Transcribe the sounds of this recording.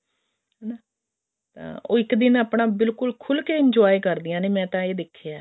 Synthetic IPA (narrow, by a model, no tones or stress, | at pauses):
ɦɛːnaː | t̪ã̰ːo̰ːɪkd̪ɪnəpɳaːbɪlkʊlkʰʊlkeːɪɲd͡ʒɔːikəɾd̪ɪjãːneːmɛ̃ːt̪ãːeːd̪ɪkʰːeaː